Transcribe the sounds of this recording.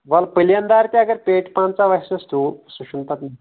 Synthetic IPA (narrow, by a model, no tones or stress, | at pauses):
ʋɐlpəljɐnd̪aɾt̪ʲjaɡəɾpeʈpãnt͡saʋajsəst̪usuɕunt̪at̪na